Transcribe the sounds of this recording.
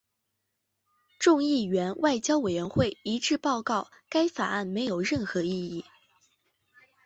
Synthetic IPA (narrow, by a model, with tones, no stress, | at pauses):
ʈ͡ʂʊ˥˧ŋi˥˩ɥɛ˧˥nwʔa˥˩ɪt͡ɕjɑ˥ʊwe˨˩ɥɛ˧˥nxwe˥˩ɪi˧˥ʈ͡ʂɻ̩˥˧pɑ˥˧ʊkɑ˥˩ʊ | ka˥ɪfa˨˩a˥˩nme˧˥ɪjo˨˩ʊɻə˥˩nxɤ˧˥i˥˧i˥˩